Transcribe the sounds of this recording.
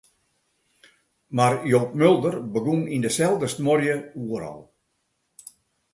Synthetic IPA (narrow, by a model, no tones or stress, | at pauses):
marjoːp̚mølˠdərbəɡunindəsɛlˠdəstmɔrjəuəɾɔ̰lˠ